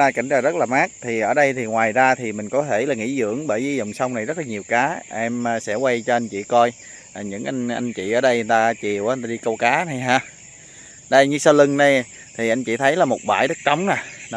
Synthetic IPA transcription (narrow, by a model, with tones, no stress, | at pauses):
naː˧jka̰˧˩jŋ̟zaː˨˩zə˦˥t̚laː˨˩maː˦˥k̚t̪ʰi˨˩ʔəː˧˩ɗə˧jt̪ʰi˨˩ŋwaː˨˩jzaː˧t̪ʰi˨˩mï˨˩ŋ̟kɔ˨˦t̪ʰe˧˩laː˨˩ŋḭ˧˥zɨ̰˧˥˨əŋɓəː˧˩jvi˨˦zɔ̰˨˧˨wŋ͡msə˧wŋ͡mna˨˩jzə˦˥laː˨˩ɲi˨˩əwkaː˨˦ʔɛ˧mː˨sɛ̰˧˥wa˧jt͡ɕɔ˧ʔa˧nt͡ɕḭ˧˨kɔ˧j | ʔa˨˩ɲɨ̰˧˥ŋʔa˧ŋ̟ʔa˧jŋ̟t͡ɕḭ˧˨ʔəː˧˩˦ɗə˧jnt̪aː˧t͡ɕi˨˩əwʔt̪aː˧ɗi˧kə˧wkaː˨˦na˨˩jɦaː˧ | ɗə˧jɲɨ˧səː˧lɨ˧ŋna˨˧j | t̪ʰi˨˩ʔa˧jŋ̟t͡ɕḭ˧˩t̪ʰə˨˦jlaː˨˩mo˨˩t̚ɓa̰ː˧˩jɗə˦˥t̚t͡ɕa˨˦wŋ͡mnaː˨˩n˨˦